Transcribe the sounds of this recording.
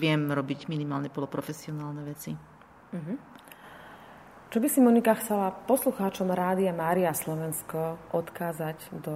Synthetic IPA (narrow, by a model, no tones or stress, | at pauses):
ʋɪɛmɾɔbiɟminimaːlɲɛpɔlɔpɾɔfɛsiɔnaːlnɛʋɛt͡si | ɦ̩ | t͡ʃɔbisimɔnikaxt͡sɛlapɔsluxaːt͡ʃɔmɾaːd̪iamaːɾiaslɔʋɛnskɔʔɔt̪kaːzaɟd̪ɔ